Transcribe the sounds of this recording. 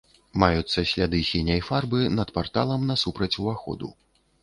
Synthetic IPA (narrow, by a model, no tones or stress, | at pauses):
majut̪sːɐsʲlʲad̪ɨsʲinʲɐjfarbɨnɐt̪part̪alˠɐmnɐsupɾɐt͡sʲuvaxɔ̰d̪ṵ